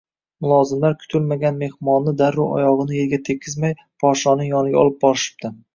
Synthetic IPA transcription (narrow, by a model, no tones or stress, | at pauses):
mʊlˠɒzɪmlaɾkʲʰʊ̥t̪ʰʊlmaɡʲanme̞hmɒnːɪd̪aɾːʊʔɒ̰jɒʁɨnɪjelɡʲat̪ʰe̞kʲʰːɪzmaj | pʰɒʃɒnɪŋjɒnɪɡʲa̰ɒ̰lˠɪp̚bɒɾɪʃɪ̥p̚t̪ɪ